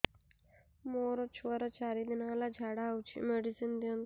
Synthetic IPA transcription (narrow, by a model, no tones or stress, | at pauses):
moɾət͡ɕʰʋəɾət͡ɕaɾid̪inalad͡ʒʱaɽaːwt͡ɕʰḭmeɽisind̪in